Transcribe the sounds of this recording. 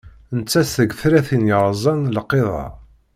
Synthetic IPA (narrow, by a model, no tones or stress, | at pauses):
nt͡sːæsθəɡfɾæθinjəɾˤzˤɑnləqːeðˤɑ̰